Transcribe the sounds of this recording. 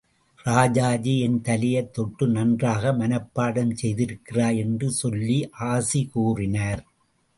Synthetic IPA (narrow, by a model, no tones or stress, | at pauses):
raːd͡ʒaːd͡ʒiɪnt̪ɐlɪjɐt̪ːɔʈːɯnɐndraːɣɐmɐnɐpːaːɽɐmsɛjðɪɾɯkːɪraːjɛndrɯsɔlːiʔaːsikuːrɪnɐːɾ